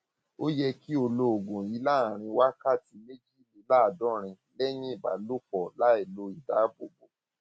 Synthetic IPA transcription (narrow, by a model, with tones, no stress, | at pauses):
o˦jɛ˧ki˦o˧lo˧o˨ɡũ˨ji˨˦la˦a˨ɾ̃ĩ˧wa˦ka˦˨ti˧me˦d͡ʒi˦˨li˨˦la˦a˨dɔ̃˦ɾ̃ĩ˧ | lɛ˦j̃ĩ˦i˦˨ba̰˨lo˦k͡pɔ˨la˦e˨lo˧i˨da˨˦bo˨ɡ͡bo˨